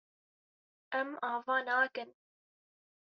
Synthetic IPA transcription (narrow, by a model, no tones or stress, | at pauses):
ʔɛmɑːvɑːnɑːkɨn